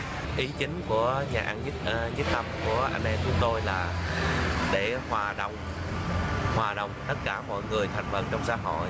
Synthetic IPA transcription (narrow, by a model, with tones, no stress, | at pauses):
ʔi˨˦t͡ɕï˨˦ŋ̟ku˧˩əɲaː˨˩ʔaː˧n˦˥ɲi˦˥k̚t̪ə˧mku˧˩əʔa̰˧jnʔɛ˧mt͡ɕʊ˨˦ŋ͡mt̪o˧jlaː˨˩ | ɗe˧˩hwaː˨˩ɗo̰˧˨wŋ͡m | hwaː˨˩ɗə̰˧˨wŋ͡mt̪ə˦˥t̚kaː˧˩mɔ̰˧˨jŋɨ˨˩əjt̪ʰa˨˩jŋ̟və̰˨˩t͡ɕɔ˧wŋ͡msaː˧˩ɦɔ̰˧˨j